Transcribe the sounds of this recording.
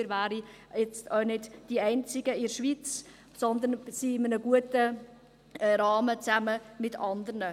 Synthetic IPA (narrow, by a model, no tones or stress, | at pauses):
ɪɾvæːɾi | ɛt͡stœnɪdd̥iɛɪnt͡sɪɡ̥əɪʃʋit͡s | sɔnd̪ənsiɪmənəɡ̥uətə | ɾɑːmət͡sæməmɪtɑnd̪əɾnə